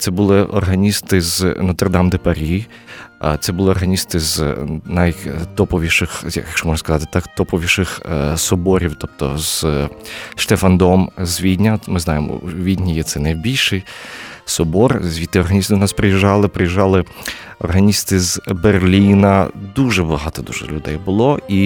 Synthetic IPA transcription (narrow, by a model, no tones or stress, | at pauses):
t̪sɛbʊlˠɪʔɔ̰rɦɐnʲist̪ɪznɔt̪erd̪ɑmd̪ɪpɐɾʲi | t̪sɛbʊlˠɪɔrɦɐnʲist̪ɪznɐjt̪ɔpɔʋʲiʃɪxjɐ̰jɐkʃt͡ʃɔmɔʒnɐskɐzɑt̪ɪ̥t̪ɑkt̪ɔpɔʋʲiʃɪxsɔbɔɾʲiwt̪ɔp̚t̪ɔ̰z̥ | ʃt̪efɐnd̪ɔmzʲʋʲid̪ʲnʲɐmɪznɑjemɔ̰ʋʲid̪ʲnʲijɛt̪sɛnɐjbʲilʲʃɪjsɔbɔrzʲʋʲit̪ːɪɔrɦɐnʲist̪ɪnɑspɾejɪʒːɑlˠɪpɾejɪʒːɑlˠɪ | ɔ̰rɦɐnʲist̪ɪzberlʲinɐd̪uʒɛbɐɦɑt̪ɔd̪uʒɛ̰lʲʊd̪ɛ̰jbʊlˠɔi